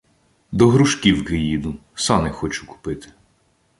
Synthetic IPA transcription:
d̪ɔɦɾʊʃkʲiwkɪjid̪ʊsɑnɪxɔt͡ʃʊ̥kʊ̥pɪt̪ɪ̥

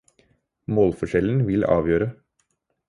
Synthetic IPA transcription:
moːlfɔʂɛln̩ʋɪlɑ̰ːʋjøːɾə

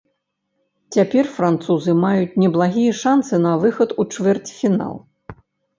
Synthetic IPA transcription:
t͡sʲapʲɛrfɾant̪suzɨmajut͡sʲnʲɛblˠaɣʲijɛʂansɨnɐvɨxɐt̪ut͡ʂvʲɛrt͡sʲfʲina̰lˠ

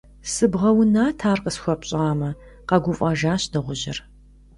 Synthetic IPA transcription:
sɨbʁɐwʊnaːtʰaːrqəsxʷɔpɕʼaːmɐqɐɡʷʊfʼɐʒaːɕdɐʁʷʊʑɪ̰r

